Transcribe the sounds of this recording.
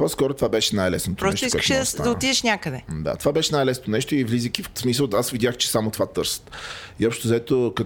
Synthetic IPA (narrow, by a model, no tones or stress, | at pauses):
pɔskɔɾot̪ovabɛʃɛnajlɛsnot̪oɾɔsɛʃt̪iskɛkət̪ʃɛd̪sad̪ɐoid̪ɛʃnʲakəd̪ɛd̪a̰t̪ovabɛʃɛnajlɛsnot̪onɛʃt̪oivlizikʲifsmisəlˠasvid̪ʲaxt͡ʃɛ̥samot̪ovat̪ɤɾsə̥t̪iɔpʃtt̪ozɐɛt̪okɐ